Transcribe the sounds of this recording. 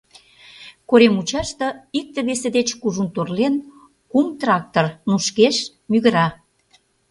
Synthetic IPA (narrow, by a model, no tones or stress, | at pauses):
koɾemut͡ɕɑʃt̪ɤ̆ik̚t̪ĕβesĕd̪et͡ɕkuʒunt̪orlen | kumt̪rɑk̚t̪ormuʃkeʃ | myɣə̆ɾɑ